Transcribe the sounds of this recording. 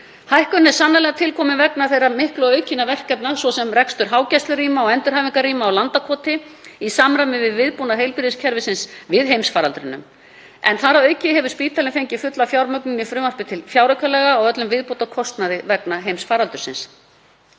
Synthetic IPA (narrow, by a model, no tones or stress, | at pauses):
hajhkʏnɛ̥sanːalɛɣat̪ʰɪlkʰɔːmɪvɛknaθejɾamɪhklʏœɥcɪnavɛr̥kːɛpnasvɔsɛmrɛkst̪ʏɾ̥ɦaːwcɛst̪lʏɾiːmaɔɣɛnt̪ʏɾ̥aːviŋkariːmaːwlant̪akʰɔːt̪ɪisaːmɾamɪvɪðvɪðpunaɦejlpɪɾðɪscʰɛɾvɪsɪnsvɪðɦejmsfaːɾalt̪ɾʏnːʏ̰m | ɛ̰nθaɾaœɥcɪɦɛvʏ̥spiːt̪ʰalɪnfejɲcɪfʏt̪lafjawɾmœknʏnifɾʏːmar̥pɪt̪ʰɪlfjawɾakʰœlɛɣaːwœt̪lʏmvɪðput̪akʰɔst̪naðɪvɛknaɦejmsfaːɾalt̪ʏɾ̥sɪ̰ns